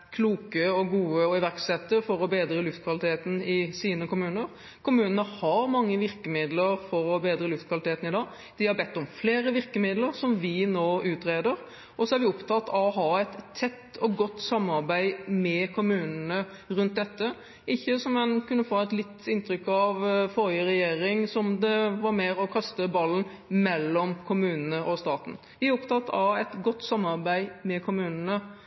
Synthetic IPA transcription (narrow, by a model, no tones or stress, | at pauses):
kʰluːkəɔɡuːəɔɪʋæɾksɛt̪ːəfɔɾɔbeːd̪ɾəlʉft̪kʰʋɑlɪt̪ʰeːt̪n̩ɪsiːnəkʊmʉːnəɾ | kʰʊmʉːnənəhɑɾmɑŋːəʋɪɾkəmɪd̪ləɾfɔɾɔbeːd̪ɾəlʉft̪kʰʋɑlɪt̪ʰeːt̪n̩ɪd̪ɑː | d̪̥ɪhɑɾbɛt̪ːɔmfleːɾəʋɪɾkəmɪd̪ləɾsɔmʋɪnoːʉːt̪ɾeːd̪əɾ | ʔɔsɔæɾʋɪɔpt̪ʰɑt̪ːɔɦɑːɛɪt̪ʰːɛt̪ːɔɡɔt̪ːsɑmːɑɾbæɪmɛkʰʊmʉːnənə | ɾʉnt̪̚d̪ɛt̪ːə | ʔɪçːəsɔmɛɪnkʰʉnːəfoːɛt̪lɪt̪ːɪnt̪ɾʏkːɑʋfɔɾjəɾɛjeːɾɪŋsɔmd̪ɛʋɑɾmeːɾɔkʰɑst̪əbɑlːən | mɛlːɔmkʰʊmʉːnənəʔɔst̪ɑːt̪n̩ | ʋɪæɾɔpt̪ʰɑt̪ːɑɛt̪ɡɔt̪ːsɑmːɑɾbæɪmɛkʰʊmʉːnənə